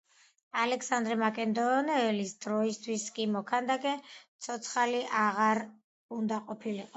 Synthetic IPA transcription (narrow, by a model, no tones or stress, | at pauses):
alɛksand̪ɾɛmakʼɛnd̪ɔːnɛːlisd̪ɾɔist̪ʰwiskʼimɔkʰand̪akʼɛt̪sʰɔt̪sʰχaliʔaʁaɾ | und̪aqʼɔpʰiliqʼɔ